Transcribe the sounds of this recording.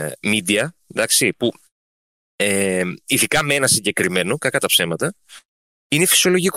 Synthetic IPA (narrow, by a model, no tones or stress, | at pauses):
mid̪iɐðɐksipu | eiðikɐmeenɐsiɲɟe̞kɾime̞no̞kɐkɐt̪ɐpse̞mɐt̪ɐ | ine̞fi̥siolo̞ʝik